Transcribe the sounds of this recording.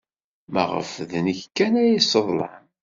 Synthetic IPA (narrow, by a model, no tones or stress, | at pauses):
mə̰ʁə̰fðnəçkːænæisˤəðˤlɑ̰n